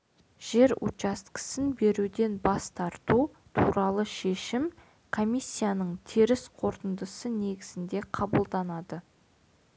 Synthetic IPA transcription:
ʒ̥e̞ɾṵt͡ʃɑst̪kə̥sɪnbe̞ɾud̪e̞nbɑst̪ɑɾt̪u | t̪ʰuɾɑlˠəʃe̞ʃɪm | kʰo̞mʲijsʲːijanəɴt̪ʰeɾɪsqʰo̞ɾt̪ənd̪əsəne̞ɡʲɪzɪnd̪e̞qʰɑbəlˠd̪ɑnɑd̪ə

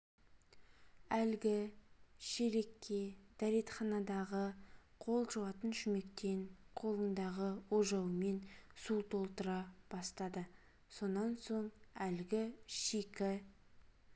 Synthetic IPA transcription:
ælɡʲɪʃeɾe̞kʲːe̞d̪̥æɾe̞t̪χɑnɑd̪ɑʁəqʰo̞lˠʒəwɑt̪ənʃʏme̞kt̪e̞ɴqʰo̞lˠənd̪ɑʁəwoʒɑwəme̞nsut̪ʰo̞lˠt̪əɾɑb̥ɑst̪ɑd̪ə | so̞nːɑnso̞ɴælɡʲɪʃikʲɪ

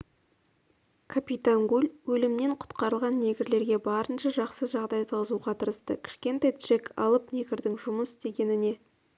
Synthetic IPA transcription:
kʰapʲijt̪aŋɡulʲwɵlɪmne̞ɴqʰʊ̥t̪qɑɾəlˠʁɑnːe̞ɡʲɪɾle̞ɾɡʲe̞bɑɾənʃəʒɑqsəʒɑʁd̪ɑjsʰɑzuʁɑt̪ʰəɾəst̪əkʲʰɪ̥ʃkʲe̞nt̪ejt̪ʒ̥ekɑ̰lˠəpne̞ɡʲɪɾd̪ɪŋʒʊməsɪst̪e̞ɡʲe̞nɪne̞

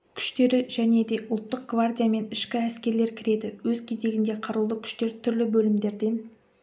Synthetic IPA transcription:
kʲʰʏ̥ʃt̪e̞ɾɪʒ̥æne̞d̪e̞ʔʊlˠt̪ːəq̚ɡ̥vard̪ʲijame̞nɪʃkʲɪæskʲe̞ɾle̞ɾkʲʰɪɾe̞d̪ɪwɵzkʲʰe̞ze̞ɡʲɪnd̪e̞qʰɑɾulˠəkʲʰʏ̥ʃt̪e̞ɾt̪ʰʏɾlɪbɵlɪmd̪e̞ɾd̪e̞n

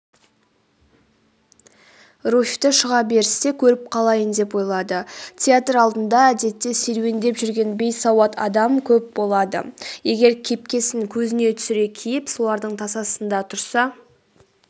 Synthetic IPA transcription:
rufʲt̪ɪʃəʁɑbe̞ɾɪse̞kʲʰɵɾɪp̚qʰɑlˠɑjənd̪e̞pwo̞jlˠɑd̪ət̪ʲʰeat̪rɑlˠd̪ənd̪ɑæd̪e̞t̪ːe̞se̞ɾwe̞nd̪e̞pʒʏɾɡʲe̞nbe̞jsɑwɑt̪ʰɑ̰d̪ɑmkʲʰɵp̚bo̞lˠɑd̪ə̰je̞ɡʲe̞ɾkʲʰe̞p̚kʲe̞sɪŋkʲʰɵzɪne̞t̪ʰʏ̥sɪɾe̞kʲʰijɪpso̞lˠɑɾd̪əɴt̪ʰɑsɑsənd̪ɑt̪ʰʊɾsɑ

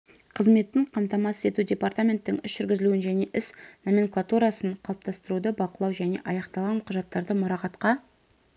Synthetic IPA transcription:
qʰəzme̞t̪ːɪɴqʰɑmt̪ɑmɑsse̞t̪udʲe̞part̪amʲe̞nt̪ːɪŋʏsʒ̥ʏɾɡʲɪzɪluɪnʒæne̞ʔɪsnomeŋklˠat̪uɾasəɴqʰɑlˠəp̚t̪ɑst̪əɾud̪əbɑqəlˠɑwʒæne̞̰ʔɑjɑqt̪ɑlˠʁɑɴqʰʊʒɑt̪ːɑɾd̪əmʊɾɑqɑt̪qɑ

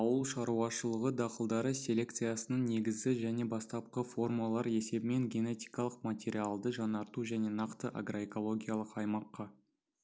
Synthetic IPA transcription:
ɑwəlˠʃɑɾuɑʃəlˠəʁəd̪ɑqəlˠd̪ɑɾəsʲe̞lʲe̞k̚t̪sɨjasənəɴne̞ɡʲɪzɡʲɪʒæne̞bɑst̪ɑp̚qəfo̞rmɑlˠɑɾe̞se̞bɪme̞ŋɡʲe̞ne̞t̪ʲijkɑlˠəqmat̪ʲe̞ɾʲialˠd̪əʒɑnɑɾt̪uʒæne̞nɑqt̪əʔa̰ɡro̞e̞ko̞lˠo̞ɡʲijalˠəqɑjmɑqːɑ

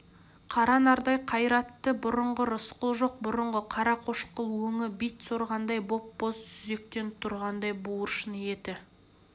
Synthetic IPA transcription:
qʰɑɾɑnɑɾd̪ɑjqʰɑjɾɑt̪ːəbʊɾʊɴʁəɾʊsqəlˠʒo̞q̚bʊɾʊɴʁəqʰɑɾɑqʰo̞ʃqəlˠwɵŋɪbijt̪soɾʁɑnd̪ɑjbo̞pbo̞zsʏze̞k̚t̪e̞nt̪ʰʊɾʁɑnd̪ɑjbuwəɾʃənje̞t̪ɪ

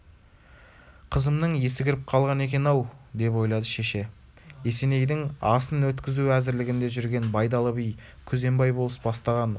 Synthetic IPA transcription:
qʰəzəmnəɴje̞sɪɡʲɪɾɪp̚qʰɑlˠʁɑne̞kʲe̞nɑwd̪e̞p̬wo̞jlˠɑd̪əʃe̞ʃe̞ | e̞se̞ne̞jd̪ɪŋɑsənwɵt̪kʲɪzuæzɪɾlɪɡʲɪnd̪e̞ʒʏɾɡʲe̞nbɑjd̪ɑlˠəbijkʲʰɵze̞mbɑjbolˠəsbɑst̪ɑʁɑn

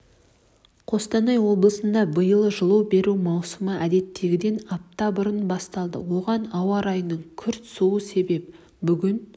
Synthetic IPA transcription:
qʰo̞st̪ɑnɑjwo̞blˠəsənd̪ɑbəjəlˠəʒəlˠəwbe̞ɾumɑwsəməʔæd̪e̞t̪ːe̞ɡʲɪd̪e̞nɑp̚t̪ɑbəɾənbɑst̪ɑlˠd̪ə̰wo̞ʁɑnɑwɑɾɑjnəɴkʲʰʏɾt̪suwəse̞be̞p | bʏɡʲɪn

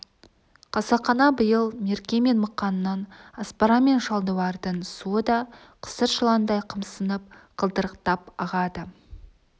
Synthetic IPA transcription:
qʰɑsɑqɑnɑbəjəlˠme̞ɾkʲe̞me̞nməqːɑnəːɑnaspaɾɑme̞nʃɑlˠd̪əwɑɾd̪əɴsuəd̪ɑ | qʰə̥səɾʃəlˠɑnd̪ɑjqʰəmsənəp̚qʰəlˠd̪əɾəqt̪ɑpɑʁɑd̪ə

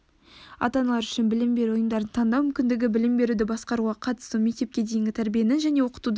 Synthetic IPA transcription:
ɑ̰t̪ɑnɑlˠɑɾʏʃɪnbɪlɪmbe̞ɾuwojənd̪ɑɾənt̪ʰɑnd̪ɑwmʏmkʲɪnd̪ɪɡʲɪbɪlɪmbe̞ɾud̪ɪbɑsqɑɾuʁɑqʰɑt̪ə̥st̪ume̞k̚t̪e̞p̚kʲe̞d̪ejɪŋɡʲɪt̪ʰæɾbije̞nɪnʒæne̞wo̞qə̥t̪ud̪

